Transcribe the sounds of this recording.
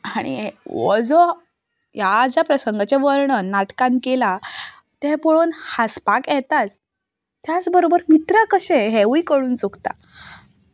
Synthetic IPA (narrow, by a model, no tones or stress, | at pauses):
aɽ̃ḭʋə̰d͡zɔ | jad͡ʑjapɾəsəŋɡat͡ɕeʋəɾɳənaʈkãnkela | t̪ẽpoɭonhaspakjɛt̪at͡s | t̪jat͡sbəɾobəɾmit̪ɾəkəɕẽɦɛʋuikəɽuːnsukt̪a̰